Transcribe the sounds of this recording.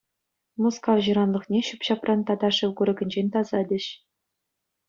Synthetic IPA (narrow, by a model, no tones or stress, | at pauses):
muskɑvʑɯɾɑnlˠɤ̆χnʲeɕupʲɕɑprʔɑnt̪ɑd̪ɑʂɯwkuɾʲɤ̆ɡʲɘ̆nʲd͡ʑenʲt̪ɑzɑdʲɘ̆ɕ